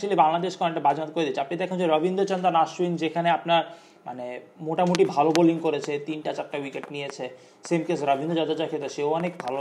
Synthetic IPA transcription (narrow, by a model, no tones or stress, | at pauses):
t͡ɕualibaŋlad̪eʃkɔnek̚ʈabad͡ʑmat̪koɾed̪it͡ɕʰẽapnid̪ɛkʰond͡ʑeɾɔbʱind̪ot͡ɕɔnd̪ɾanaʃwind͡ʑekʰaneapnaɾ | ma̰nemoʈamoʈibʱaloboliŋkoɾet͡ɕʰet̪inʈat͡ɕak̚ʈːawikeʈnijet͡ɕʰe | semkesɾɔbʱind̪ʱod͡ʑɔd͡ʑad͡ʑakʰet̪oʃewɔnekbʱalo